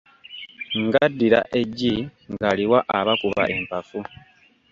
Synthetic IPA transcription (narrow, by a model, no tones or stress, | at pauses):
ŋɡadːiɾa̰ʔe̞ɟiŋɡaliwaʔaβakuβa̰ʔe̞mpafu